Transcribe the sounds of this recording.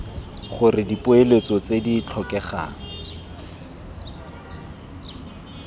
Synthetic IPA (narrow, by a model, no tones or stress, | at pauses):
χʊrɪdipʼʊelet͡sɔt͡sedit͡ɬʰɔkɛχa̰ːŋ̩